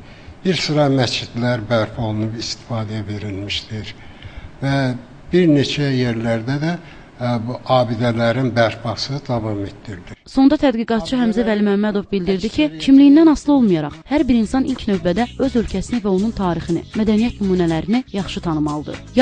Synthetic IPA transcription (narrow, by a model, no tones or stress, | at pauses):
biɾsɯɾɑmæst͡ʃid̪læɾbæɾpʰo̞lˠunupist̪ʰi̥fɑːd̪ɛæve̞ɾilmiʃt̪iɾvæ | biɾne̞t͡ʃʰæjeɾlæɾd̪æd̪æ | buʔɑːbid̪ælæɾinbæɾpʰɑsɯd̪ɑvɑme̞t̪d̪iɾd̪iso̞nd̪ɑt̪ʰæd̪ɡiɡɑt̪̚t͡ʃʰɯɦæmzævælimæmːæd̪o̞vbild̪iɾd̪icʰicʰimlijind̪ænɑslˠɯo̞lˠmujɑɾɑχhæɾbiɾinsɑnilcʰnø̞vbæd̪æø̞zø̞lcʰæsinivæo̞nunt̪ʰɑːɾixinḭmæd̪ænijæt̪nymuːnælæɾinijɑχʃɯt̪ʰɑnɯmɑlˠɯd̪ɯ̰